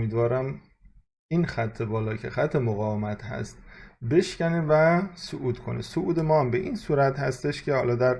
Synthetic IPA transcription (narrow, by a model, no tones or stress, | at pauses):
omiːd̪vɒːɾæm | inxæt̪ʰːe̞bɒːlɒːcʰe̞xæt̪ʰːe̞moɣɒːvemæt̪ʰhæ̰st̪̚be̞ʃcænevæsoʔuːd̪kʰo̞̰nesoʔuːd̪e̞mɒːæmbe̞ʔinsuːɾæt̪hæst̪e̞ʃcʰe̞hɒːlɒːd̪æɾ